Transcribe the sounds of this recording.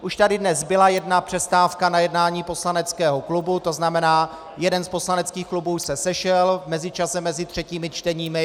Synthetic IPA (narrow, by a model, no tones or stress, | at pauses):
ʔuʃt̪adɪdnɛzbɪlajɛdnapr̝̥ɛst̪aːfkanajɛdnaːɲiːpo̞slanɛt͡skɛːɦoklubut̪o̞znamɛnaː | jɛdɛnspo̞slanɛt͡skiːxklubuːsɛsɛʃɛlmɛzɪt͡ʃasɛmːɛzɪt̪r̝̥ɛciːmɪt͡ʃt̪ɛɲiːmɪ